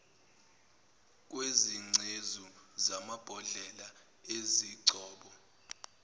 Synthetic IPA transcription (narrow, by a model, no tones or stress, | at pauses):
k̬weziŋ͡ǀʱezuzamab̥ʱɔɮɛla | eziǀɔːɓɔ